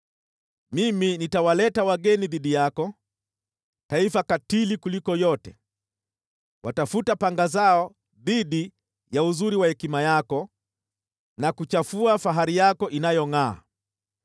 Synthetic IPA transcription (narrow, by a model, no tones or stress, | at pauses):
miminitawalɛtawaɠɛniðiɗijakɔ | taifakatilikulikɔjɔtɛ | watafutapaŋɡazaɔ | ðiɗi | jauzuɾiwahɛkimajakɔ | nakut͡ʃafuafaɦaɾijakɔʔinajɔŋa̰ː